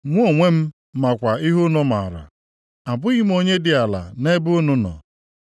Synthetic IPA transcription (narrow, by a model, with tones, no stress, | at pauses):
ŋʷ˦o˨ŋʷe˦m̩˦ | ma˨kʷa˨i˦ɦʊ˦nʊ˦ma˨ɾa̰˨ | a˨bʊ˦ɣi˦m˦o˦ɲe˦dɪ˨a˨la̰˨ne˦bʊ˦ʊ˦nʊ˦nɔ̰˨